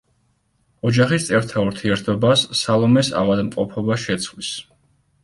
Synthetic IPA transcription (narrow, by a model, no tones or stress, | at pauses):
ɔd͡ʒaχist̪sʼɛɾt̪ʰauɾt̪ʰiɛɾt̪ʰɔbasːalˠɔmɛsa̰vad̪mqʼɔpʰɔbaʃɛt̪sʰχwlis